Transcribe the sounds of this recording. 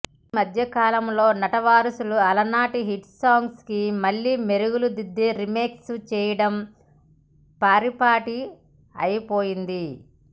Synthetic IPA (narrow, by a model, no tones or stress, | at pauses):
mɐd̪ʱjɐkaːlɐmlo̞ːnɐʈɐʋaːɾɐsuluɐlɐnaːʈiɦiʈsaːŋɡskimɐɭːiːmeɾuɡulud̪id̪ːeɾimeːkst͡ʃɛːjɐɽɐm | paːɾipaːʈi | ɐ̰jipoːjind̪i